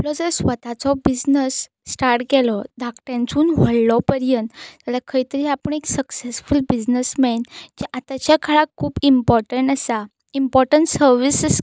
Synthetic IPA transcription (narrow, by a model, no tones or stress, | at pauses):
aplɔd͡zəɾsʋət̪at͡sɔbid͡znəsː | ʈaɾʈɡɛlɔd̪ʱakʈɾjãnt͡suːnʋəɭːɔpəɾjənt̪t̪alakʰəit̪əɾiːapəɳeksəksesfulbid͡znəsmɛnd͡ʑɛʔat̪at͡ɕjakʰaɭakʰːuːbimpɔɾʈəɳʈəsa | impɔɾʈəɳʈsəɾʋisəs